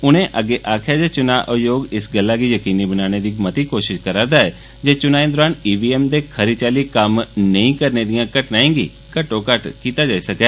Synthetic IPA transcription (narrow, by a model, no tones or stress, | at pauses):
ʊnẽʔəɡeːʔaːkʰjad͡ʒeːt͡ʃʊnaʔojoːɡɪsɡəlːakiːjəkiːnibənaːñed̪iːmət̪iːkoːʃɪʃkəɾãːd̪aɛː | d͡ʒeːt͡ʃʊnaːĩd̪ɔɾaːniːbiːɛːmd̪eːkʰəɾit͡ʃaːlikəmnəĩkəɾned̪ijãkəʈnaːẽːɡḭː | kəʈõkəʈkiːt̪ad͡ʒaːisɐkɛː